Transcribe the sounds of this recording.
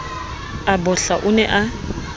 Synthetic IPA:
abɔɬaʔʊnɛʔa

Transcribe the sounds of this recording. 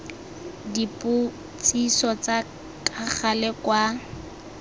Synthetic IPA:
dipʼʊ | t͡sʼisɔt͡sa | tʼaχalɛkwa

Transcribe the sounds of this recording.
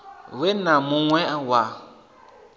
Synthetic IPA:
wenãmũŋwɛ̃awa

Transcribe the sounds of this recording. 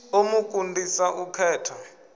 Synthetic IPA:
omuk̬ʼundʱisaʔukʰɛːtʰɔ

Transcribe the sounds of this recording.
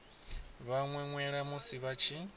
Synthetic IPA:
βaŋwɛŋwɛɺamusiβat͡ʃʰi

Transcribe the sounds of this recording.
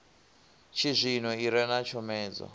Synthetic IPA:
t͡ʃʰizʷinɔiɾɛnat͡ʃʰɔmɛːd͡zɔ̰

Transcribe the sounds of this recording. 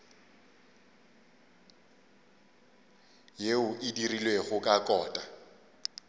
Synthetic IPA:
jeʊʔɪdirilweɣʊkʼakʼɔːtʼa

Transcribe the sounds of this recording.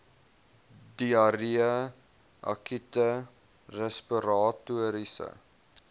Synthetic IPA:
diɐɾiə | ʔɐ̰kitə | rɛspiɾɑːtuəɾisə̰

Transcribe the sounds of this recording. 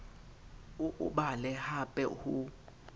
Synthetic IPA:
ʔuɓalɛhapʼɛ̰hu

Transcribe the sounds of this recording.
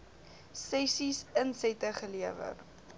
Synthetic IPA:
sɛsisənsɛtəχəliəvə̰r

